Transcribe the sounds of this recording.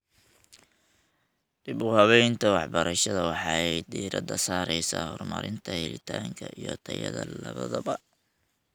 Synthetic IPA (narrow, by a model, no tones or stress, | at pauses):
d̪̥ɪbʊhɐβɛjnt̪ʰɐwɑħbɐɾɐʃɐðɐwɑħɑɛjd̪iːɾɐd̪ɐsaːɾɛjsaːhɔrmɐɾɪnt̪ʰɐhɛlɪt̪ʰaːŋkʰɐʔijɔt̪ʰɐjɐðɐlɐβɐðɐbɐ